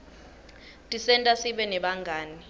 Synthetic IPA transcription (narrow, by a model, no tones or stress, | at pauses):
tʼisɛntʼasiɓɛnɛɓaŋɡʱaːni